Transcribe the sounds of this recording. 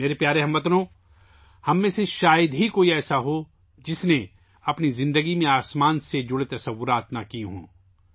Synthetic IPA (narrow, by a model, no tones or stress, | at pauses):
meːɾepjaːɾeɦɐmʋɐt̪nõː | hɐmːẽːseʃaːjəd̪ɦikoːiɛːsaɦo | d͡ʒɪsne | ɐpnizɪ̃nd̪əɡimẽaːsmaːnsed͡ʒʊɽet̪ɐsɐʋːʊɾaːt̪nakiɦõ̰ː